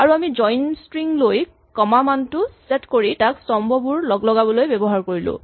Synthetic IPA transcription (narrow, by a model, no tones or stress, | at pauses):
aɹuamid͡ʒɔjnstɹiŋloj | kɔmamantʊsetkoɹitaksɔmbʱɔbuɹlɔɡlɔɡabɔlojbɛbɔɦaɹkoɹilʊ̰̃